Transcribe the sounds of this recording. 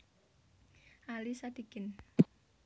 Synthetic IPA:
ʔalisad̪̥iɡ̥ɪn

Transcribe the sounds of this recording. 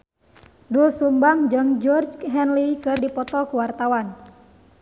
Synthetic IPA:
dusumbaŋd͡ʒəŋd͡ʒɔrd͡ʒɦɛnlikɨrdipɔt̪ɔkuwart̪awan

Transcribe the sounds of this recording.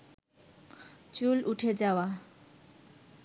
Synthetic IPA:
t͡suluʈʰed͡zawa

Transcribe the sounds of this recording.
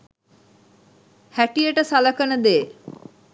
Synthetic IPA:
hæʈijəʈəsaləkənəd̪eː

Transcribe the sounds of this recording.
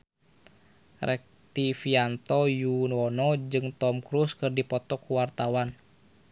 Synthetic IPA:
rɛk̚t̪ifiant̪ɔjunɔnɔd͡ʒɨŋt̪ɔmkɾuskɨrdipɔt̪ɔkːuwart̪awan

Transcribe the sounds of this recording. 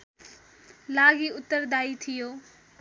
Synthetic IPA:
laːɡiʊt̪əɾd̪aːit̪ʰijoː

